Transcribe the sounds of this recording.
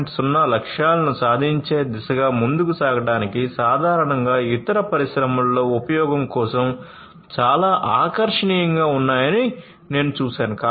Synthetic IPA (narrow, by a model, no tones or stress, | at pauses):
ʈsunːɐlɐkʂaːlɐnusaːd̪ʱiɲt͡ʃe̞ːd̪isɐɡaːmund̪ukusaːɡɐɽaːnikisaːd̪ʱaːɾɐɳɐŋɡaːit̪ɐɾɐpɐɾiʃɾɐmɐllo̞ːupɐjɔːɡɐmkɔːsɐm | t͡ʃaːlaːʔaːkɐɾʂɐɳiːjɐŋɡaːunːaːjɐni | ne̞ːnut͡ʃuːsaːnuka